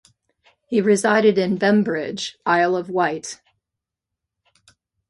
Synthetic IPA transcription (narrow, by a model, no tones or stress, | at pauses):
hiɹɨzaɪɾɨɾɨ̃nbɛ̃mbɹɪd͡ʒʔaɪlˠʌvwaɪt